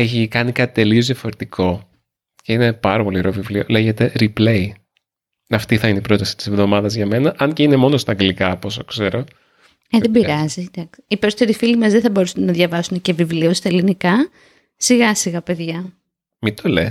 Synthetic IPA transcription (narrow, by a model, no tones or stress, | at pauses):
eçikɐnikɐt̪it̪e̞lio̞zðijɐfo̞ɾe̞t̪ikʰo̞ | ce̞ine̞pɐɾɐpo̞lioɾovivliole̞ʝet̪e̞ɾiplei | ɐft̪iθɐineipɾo̞t̪ɐsi̥t̪i̥sevðomɐðɐzʝɐme̞nɐʔɐnce̞ine̞mo̞nost̪ɐŋɡelikɐpos̬okse̞ɾo̞ | eððebiɾɐzid̪ɐksi̥ipeso̥t̪eɾifilimɐzðeθɐbo̞ɾusunnɐðʝɐvɐsunece̞vivliost̪ɐelinikɐ | siɣɐsiɣɐpe̞ðʝɐ | mit̪o̞les